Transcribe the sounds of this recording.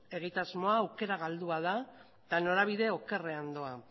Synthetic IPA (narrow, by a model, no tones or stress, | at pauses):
e̞ɣ̞it̪azmo̞aːwke̞ɾaɣ̞ald̪uaða | t̪ano̞ɾaβ̞iðe̞o̞ke̞reand̪o̞a